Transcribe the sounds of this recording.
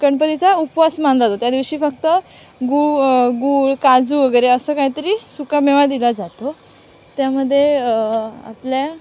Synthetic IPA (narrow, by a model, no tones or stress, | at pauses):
kəɳpət̪it͡saupʋasmand͡zat̪ot̪jad̪iʋɕiːfək̚t̪ə | ɡuɡuːɭkad͡zuːʋəɡəjɾeəsəːkaɦit̪əɾiːsukameʋad̪ilad͡zat̪o | t̪jaməd̪ʱːje | a̰plja